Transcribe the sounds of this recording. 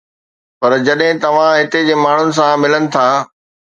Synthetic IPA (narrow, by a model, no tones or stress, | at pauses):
pɐɾd͡ʑɐɗɦɪ̃t̪ɐʋ̤ãɦɪt̪ed͡ʑeːmaːɳ̤ʊnɪ̆s̬ãmɪlənɪ̆t̪ʰaː